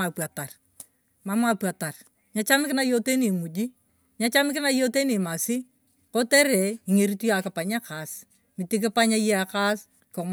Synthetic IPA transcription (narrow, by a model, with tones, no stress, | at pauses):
a˨pwa˨ta˨r | ma˦ma˨pwa˨ta˨r | ɲa˦t͡ʃa˦mɪ˦kɪ˦na˦jo˦te˦ni˨mu˨d͡ʒi˦ | ɲa˦t͡ʃa˦mɪkɪ˦na˦jo˦te˦ni˨ma˨sɪ˦ | ko˦tɛ˦ɾɛ˨i˨ŋe˨ɾi˦tu˦ja˨kɪ˨pa˨ɲa˦ka˨s | mɪ˨ti˦k̬ɪ˦pa˦ɲa˦je˦a˨ka˦s | ko˨